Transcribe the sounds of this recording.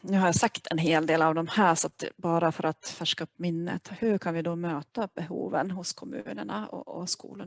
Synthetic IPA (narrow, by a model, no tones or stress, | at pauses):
nʉ̟ɦaɾjasakt̪ʰɛnɦeːld̪eːlavd̪ɔmhæːʂɔat̪bɑːɾafœɾʔat̪fæʂkaɵpːmɪnːə̰t̪hʉɾkʰanvɪd̪ɔmøːt̪abɛɦṵːvənɦʊskʰɔmʉ̰ːnəɳa̰ɔ̰ɔ̰skṵːlən